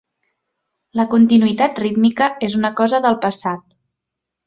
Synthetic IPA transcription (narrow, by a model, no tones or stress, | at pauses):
ləkunt̪inuit̪at̪rit̪mikəezunəkɔzəðəlˠpəsat̪̚